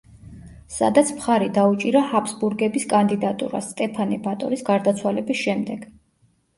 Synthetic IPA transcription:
sa̰d̪at̪sʰmχaɾid̪aut͡ʃʼiɾahapʰsbuɾɡɛbiskʼand̪id̪at̪ʼṵɾa̰st̪ʼɛpʰanibat̪ʼɔ̰ɾisɡaɾd̪at̪sʰwalɛbisʃɛmd̪ɛɡ̥

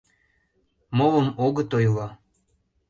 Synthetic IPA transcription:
mowəmoɣə̆t̪ojvɑ

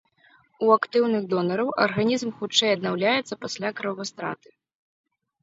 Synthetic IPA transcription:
uakt̪ɨwnɨɣd̪ɔnɐɾɐwʔɐ̰rɣanʲizmxut͡ʂɛjɐd̪̚nawlʲajɛt̪sːɐpasʲlʲakɾɐvɐst̪ɾa̰t̪ɨ̥

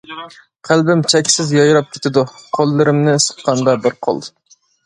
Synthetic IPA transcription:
qʰælbɪmt͡ʃʰɛkʲsɪzjɑjɾɑp̚kʲʰe̥t̪ʰɪd̪uqʰolˠːɨɾɪmnɪsə̥qqɑnd̪ɑbɪɾqʰo̰lˠ

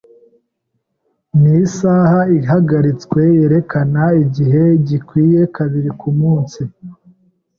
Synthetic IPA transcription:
nisaːhaiɦaɡaɾit͡skwe̞je̞ɾe̞kanaiɟiɦe̞ɟikwiːje̞kaβiɾikumuːnsi

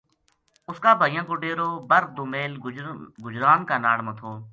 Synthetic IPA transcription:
ʊskaːbʱaːɪjãːkoːɖeːɾoːbəɾd̪oːmeːlɡʊd͡ʒɾaːnkaːnaːɽmət̪ʰoː

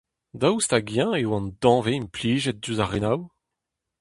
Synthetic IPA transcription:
d̪awst̪aɡjɛ̃ewɑ̃nd̪ɑ̃veimpliːʒɛt̚dyzaʁenaw

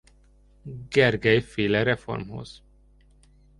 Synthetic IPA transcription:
ɡɛrɡɛjfeːlɛɾɛfo̰rmho̰z̥

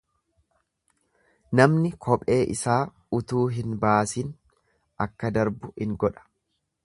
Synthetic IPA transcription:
nɐmnɪkʰɔpʼe̞ːʔɪsaː | ʊt̪uːɦɪnbaːsin | ʔɐkːɐd̪ɐɾbʊhɪŋɡɔᶑɐ̥

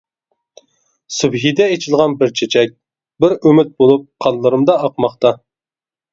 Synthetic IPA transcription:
sybɦid̪ɛet͡ʃʰilˠʁɑnbɪɾt͡ʃʰet͡ʃʰɛk̚ʲ | bɪɾymɪt̪̚bolˠup̚qʰɑnlˠːɨɾɨmd̪ɑɑqmɑχt̪ɑ

